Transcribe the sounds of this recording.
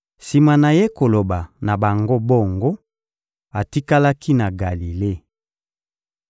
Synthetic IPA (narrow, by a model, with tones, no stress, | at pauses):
si˨ma˨na˨je˦ko˨lo˨ba˨na˨ba˨ŋɡo˦bɔ˦˨ŋɡo˦ | a˨ti˦ka˦la˦ki˦na˨ɡa˨li˨le˦˨